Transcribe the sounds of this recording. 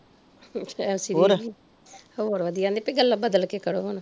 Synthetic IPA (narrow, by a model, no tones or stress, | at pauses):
ɛʊsiːeːɾ | hoːɾʋəd̪ijaːnd̪eːpəiɡəlːaːbəd̪əlkeːkəɽoːɦon